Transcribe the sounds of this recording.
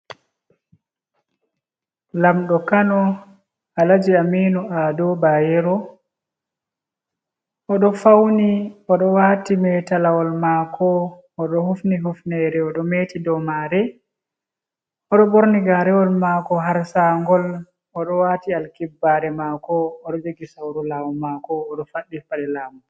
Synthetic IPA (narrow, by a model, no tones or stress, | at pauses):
lamɗɔkanɔ | alad͡ʒiamiːnuʔadɔbajɛɾɔ | ɔɗɔfawniɔɗɔwatimɛtalawɔlmaːkɔː | ɗɔhufniɦufnɛɾɛɔɗɔmeːtidɔmaːɾɛ | ɔɗɔboɾniɡaɾɛwɔlmakɔɦaɾsaŋɡɔl | ɔɗɔwaːtialkibːaɾɛmakɔːɗɔd͡ʒoɡisawɾulawɔmakɔːɗɔfaɗːifaɗɛlaːmɔ